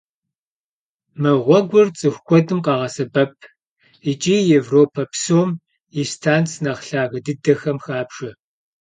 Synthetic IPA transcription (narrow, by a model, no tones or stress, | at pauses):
mɨʁʷɔɡʷʊrt͡sʼɨxʷkʷɔdɨmqɑːʁɐsɐbɐp̚ʰ | it͡ʃʼiːjevroːpʰɐpsoːm | istʰaːnt͡sʰnɐʁɬaːɣɐdɨdɐxɐmxaːpʂɐ